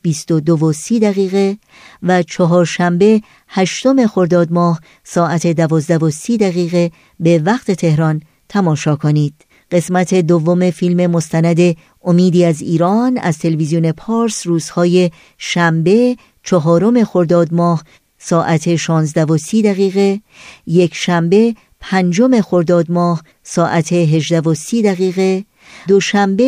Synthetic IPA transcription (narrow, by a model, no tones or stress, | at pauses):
b̥ist̪o̞d̪ovo̞siːd̪æɣiːɣe̞ | væt͡ʃʰɒɦɒːɾʃæmbe̞ | hæʃt̪o̞me̞xo̞ɾd̪ɒːd̪mɒːh | sɒːʔæt̪ʰe̞d̪ævɒːzd̪ævo̞siːd̪æɣiːɣe̞ | be̞væqt̪ʰe̞t̪ʰe̞hɾɒn | t̪ʰæmɒːʃɒːkʰo̞niːd̪̥̚ | ɢ̥e̞smæt̪ʰe̞d̪ovːo̞me̞filme̞mo̞st̪ænæd̪e̞ | omiːd̪iːæziːɾɒːnæ̰z̥t̪ʰe̞levizione̞pʰɒːɾsruːz̥hɒːje̞ | ʃæmbe̞ | t͡ʃʰɒɦɒːɾo̞me̞xo̞ɾd̪ɒːd̪mɒːh | sɒːʔæt̪ʰe̞ʃɒːnzd̪ævo̞siːd̪æɣiːɣe̞ | jecʰʃæmbe̞ | pʰænd͡ʒo̞me̞xo̞ɾd̪ɒːd̪mɒːh | sɒːʔæt̪ʰe̞ɦe̞ʒd̪ævo̞siːd̪æɣiːɣe̞ | d̪oʃæmbe